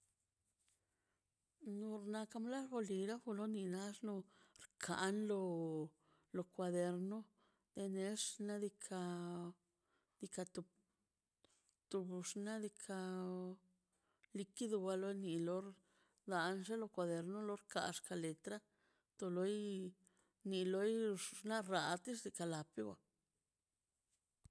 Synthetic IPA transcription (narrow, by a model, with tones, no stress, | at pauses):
nu˧ɾna˧ka˧mla˦ʐbo˧li˧ɾa˦xu˧lo˦ni˧na˦ʂno˧ɾkʰa̰˨nlo˧ | lo˧kʷa˧d̪e˧ɾno˦ | d̪̥e˧ne˧˦ʂna˦d̪i˧kʰa˧ | d̪̥i˧ka˧t̪u˧ | t̪u˧bʂna˦d̪i˧kʰa˧ | li˧ki˦d̪u˧ɡa˧lo˦jni˧lo˧ɾ | d̪a˨nʐe˦lo˧kʷa˧d̪e˨˧ɾno˦lo˦ɾka̰˨ʂka˧le˨t̪ɾa˦ | t̪o˧lo˧j | ni˧lo˧˦jna˦ɾa˨t̪i˦ʂd̪i˧ka˧la˨pi˦ɡʷa˧